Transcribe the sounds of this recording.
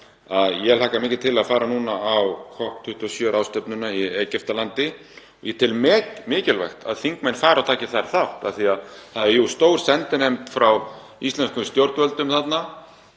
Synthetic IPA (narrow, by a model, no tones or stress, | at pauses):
aðjɛlaːkamɪːcɪ̥t̪ʰɪlaðfaːɾanuːnaawkʰɔht̪ʰʏht̪ɔsjœːɾʔawst̪œpnʏnaieːcɛft̪alant̪ɪ | ɔ̰jɛt̪ʰɪlmɛcmɪːcɪlvɛ̰xt̪ʰa̰ðθiŋkmejnfaːɾawt̪ʰaːcɪθaɾθaht̪a̰θiaðθaðɪjust̪oːwɾ̥sɛnt̪ɪnejmt̪fɾaw | ist̪ɛnskʰʏst̪jowɾt̪vœlt̪ʏmθat̪na